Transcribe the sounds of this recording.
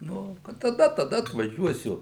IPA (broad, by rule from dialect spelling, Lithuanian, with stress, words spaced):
ˈnʊ kɐt tɐˈdɐ tɐˈdɐ ɐtʋɐˈʒʲuɔsʲʊ